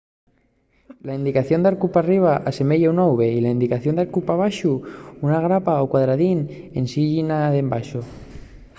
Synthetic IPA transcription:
laind̪ikaθjond̪aɾkupariβ̞aʔase̞meʎeunawβeilaind̪ikaθjond̪aɾkupaβ̞aʃuunaɣɾapaokwaðɾaðinensiʎinaðembaʃo

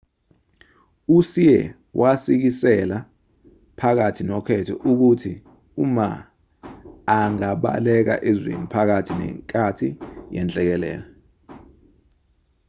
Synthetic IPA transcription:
usijɛ | wʔasik̬isɛla | pʰak̬atʰinɔkʰɛtʰɔʔuk̬utʰi | uma̰ | ŋaɓa̰lɛk̬a̰ʔezḛnupʰak̬atʰinɛ̰ŋkʼatʰijɛnt͡ɬʼɛk̬ɛlɛ̰ːlɛ

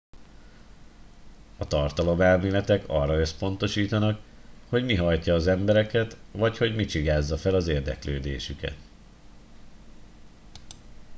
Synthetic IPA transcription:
ɒt̪ɒrt̪ɒlo̞mɛlmeːlɛt̪ɛkɒ̰rːɒø̞spo̞n̪t̪o̞ʃiːt̪ɒnɒkho̞ɟmiɦɒjcɒːzɛmbɛɾɛkɛt̪ʋɒcho̞ɟmit͡ʃiɡaːzːɒfɛlɒzeːrd̪ɛ̰kløːd̪ḛːʃykɛ̰t̪

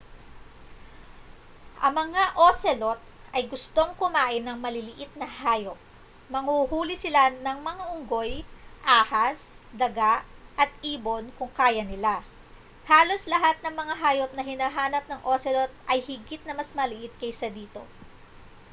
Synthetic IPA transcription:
ʔɐŋmɐŋaʔosɛlo̞t̪̚ɐjɡʊst̪o̞ŋkʊmaːʔɪnːɐŋmɐlɪlɪʔɪt̪̚nɐhaːjo̞p̚ | mɐŋhuhuːlɪsɪlanɐŋmɐŋaʔʊŋɡo̞jʔaːhɐs | d̪ɐɡaʔʔɐt̪̚ʔiːbo̞nkʊŋkaːjɐnɪla | haːlo̞slɐɦat̪̚nɐŋmɐŋaɦaːjop̚nɐhɪnaːɦaːnɐp̚nɐŋʔo̞sɛlot̪̚ʔɐjhɪɡɪt̪̚nɐmɐsmɐlɪʔɪt̪̚kɐjsɐd̪iːt̪o̞̰

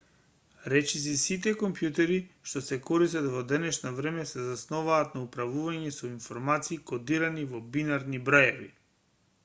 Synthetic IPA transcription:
ɾɛt͡ʃis̬isit̪̬ɛkɔmpjut̪ɛɾiʃt̪ɔsɛkɔɾist̪at̪vɔd̪ɛnɛʃnavɾɛmɛsɛzasnɔvaːt̪naupɾavuvaɲɛsɔinfɔɾmat̪siːkɔd̪iɾanivɔbinaɾnibɾajɛvḭ

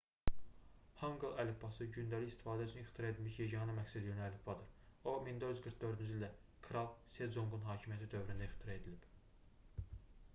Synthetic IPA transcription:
hɑŋɡɯlˠælefbɑsɯɟynd̪æliçist̪i̥fɑːd̪æyt͡ʃʰynixt̪ʰiɾɑe̞d̪ilmiʃjeɟɑɦɑnɯmæcsæd̪iønælefbɑd̪ɯɾomind̪oyzɡɯɾkd̪ø̞ɾd̪ynd͡ʒild̪æ | kʰɾɑlˠsed͡ʒoŋɡunɦɑːcʰimijæt̪ʰid̪ø̞vɾynd̪æixt̪ʰiɾɑe̞d̪ilib̥

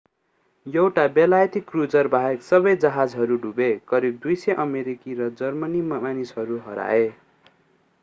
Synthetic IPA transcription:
jʌwʈabelajt̪ʰikːrut͡sʌrbʱaeksʌbʌjd͡zʌɦad͡zɦʌɾuɖubekʌɾib̚d̪ujsʌʔʌmeɾikiɾʌd͡zʌrmʌnimanisɦʌɾuɦʌɾa̰e

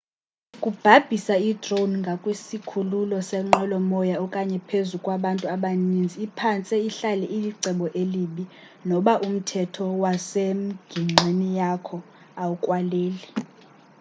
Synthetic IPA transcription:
kʼub̥ʱab̥ʱisaidrownŋɡʱakʼwesikʰululɔsɛŋ͡ǃɔlɔmɔjaɔkʼaɲɛpʰezukʼwaɓantʼuaɓanind͡zʱiːpʰant͡sʼɛiɬalɛʔiliǀɛɓɔʔeliːɓi | nɔɓaʔum̩tʰɛtʰɔwasem̩ɡ̥ʱiŋ͡ǁʱenijakʰɔ | aukʼwaleːli

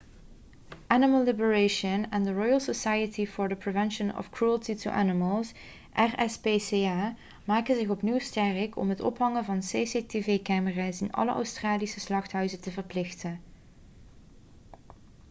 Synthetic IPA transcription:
ʔænɪməlˠlɪbəɹeʃənɛndəɹɔjəlˠsosajətʰifɔɹdəprevɛnʃənɔ̰fkɹuəlˠtitṵʔæ̰nɪməlˠs | ʔɛrɛspeːseːaː | maːkənzɪxɔpniwstɛrɪkʰɔ̰mɦətɔ̰pɦɑŋəvɑnseseteveːkaːməraːsɪnʔɑ̰lə̰ʔœ̰wstraːlisəslɑxtɦœɥzətəvəɹplɪxtən

